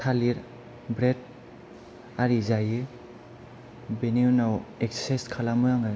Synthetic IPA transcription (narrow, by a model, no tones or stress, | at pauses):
kʰaliɾ | bɾed̚ | aɾizajɯ | beniwnawek̚sseskʰalamɯjaŋɯ